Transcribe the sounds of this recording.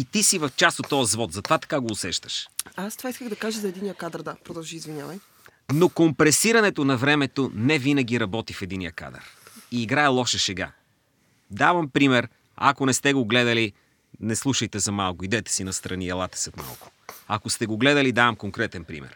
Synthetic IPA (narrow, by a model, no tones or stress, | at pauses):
it̪isivɐft͡ʃasot̪ːɔjəzvɔt̪zɐt̪ovat̪ɐ̥kaɡoːsɛʃt̪ə̥ʃast̪vaiskəɣd̪ɐkaʒəzɐɛd̪inijəkad̪əɾd̪apɾɔd̪ɐlˠʒiizvinʲjavɐj | nokompɾɛsiɾɐnɛt̪onɐvɾɛmɛt̪onɛvinɐɡ̟ʲiɾɐbɔt̪ifɛd̪inijəka̰d̪ɐ̰ɾiːɡɾaɛlˠɔʃɛʃɛɡa̰ | d̪avɐmpɾimɛɾ | ɐ̰konɛst̪ɛɡoɡlɛd̪əli | nɛslˠuʃɐjt̪ɛzɐmalˠkʊid̪ɛt̪ɛ̥sinɐst̪ɾɐniɛlˠat̪ɛ̥sɛt̪ma̰lˠko̥ɐkost̪ɛɡoɡlɛd̪əlid̪avɐmkoŋkɾɛt̪ɛnpɾḭmɛ̰ɾ